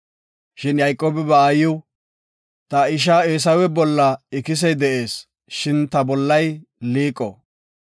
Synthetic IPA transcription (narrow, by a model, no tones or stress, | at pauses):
ʃɪnjɐjkʼːoːbɛbɛaːjɪw | t̪ɐɪʃ̬aːeːs̬ɐwɛbɔlːɐɪkɪs̬ɛjd̪ɛʔe̞ːs | ʃɪnt̪ɐbɔlːɐjliːkʼːɔ̰